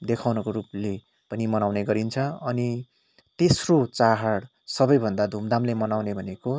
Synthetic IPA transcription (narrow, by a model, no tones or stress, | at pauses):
d̪ekʰawnʌkoɾuple | pʌnimʌnawneɡʌɾint͡sʰʌʌni | t̪esrot͡saɦaɽ | sʌbʌjbʱʌnd̪ad̪ʱumd̪ʱamlemʌnawnebʱʌneko